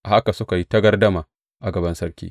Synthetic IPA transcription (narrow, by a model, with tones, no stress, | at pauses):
ʔa˨ha˦ka˨sʊ˦ka˨ji˦tɐ˦ɡɐ˦rdɐ˦maː˨ | ʔa˨ɡɐ˨bɐ˦nsɐ˦ɾkʲḭː˦